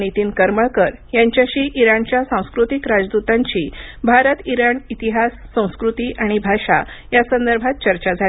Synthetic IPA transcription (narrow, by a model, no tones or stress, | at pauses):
nit̪iːnkəɾməɭkəɾjaɲt͡ɕjaɕiːʔiɾaɳt͡ɕjasãw̃skɾut̪ikɾad͡zd̪ut̪aɲt͡ɕiːbʱaɾət̪iɾaɳit̪iɦasːə̃w̃skɾut̪iːʔaɽ̃ibʱaʂa̰ | jasənd̪əɾbʱat̪̚t͡ɕəɾt͡ɕad͡zʱa